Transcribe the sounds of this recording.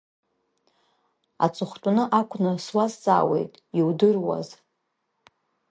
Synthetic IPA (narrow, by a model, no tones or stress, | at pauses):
a̰t͡sʼɨχʷtʷʼunɨʔakʷʰʼnɨswast͡sʼa̰ːwe̞̰jtʼiwdɨrwa̰z